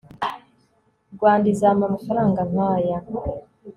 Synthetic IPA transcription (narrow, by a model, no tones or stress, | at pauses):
ɡwaːndizamamafaɾaːŋɡam̥aja